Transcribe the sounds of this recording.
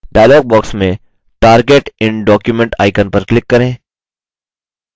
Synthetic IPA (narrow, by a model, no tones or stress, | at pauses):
ɖaːjlɔːɡ̚bɔːksmẽ | ʈaːɾɡeːʈɪ̃nɖɔːkjumɛ̃ɳʈa̰ːɪkənpɐɾklɪkːɐɾẽː